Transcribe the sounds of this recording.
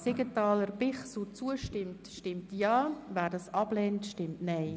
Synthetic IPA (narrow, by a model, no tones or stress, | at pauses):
seɡətɑːləɾb̥ɪχsut͡suəʃtɪmtʃtɪmtjɑːvæːɾdɑsɑblɛntʃtɪmtnɛɪ